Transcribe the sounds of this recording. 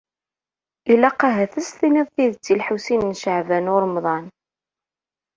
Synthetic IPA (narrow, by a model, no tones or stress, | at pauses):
ilæqɑɦæθæst̪inɪðˤθiðət͡sːilħusinnʃəʕvænʊɾˤmðˤɑn